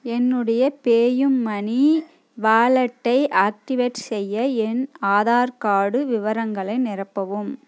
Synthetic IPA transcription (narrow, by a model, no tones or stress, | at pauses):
ɛnːɯɽɐjɐpeːjɯmːɐɳi | ʋaːɭɐʈːɐɪʔaːk̚ʈɪʋeʈsɛjːɐɛnaːðaːɾkaːɽɯʋɪʋɐɾɐŋɡɐɭɐɪnɪrɐpːɐʋɯm